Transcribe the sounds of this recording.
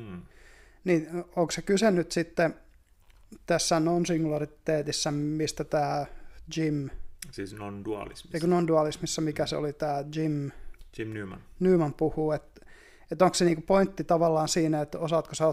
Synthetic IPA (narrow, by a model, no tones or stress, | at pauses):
niːoŋksekysenːyt̪sit̪ːe | t̪æsːænonsiŋɡulɑrit̪eːt̪isːæmist̪æt̪æːd͡ʒimsiːsnonduɑ̰lḭsmekunonduɑlismisːɑmikæseo̰lit̪æːd͡ʒimd͡ʒinymɑ̰nnyːmɑmpuhuːet̪ | et̪oŋkseniːŋkupoint̪ːit̪ɑʋɑlːɑːnsiːnæet̪osɑːt̪kosɑo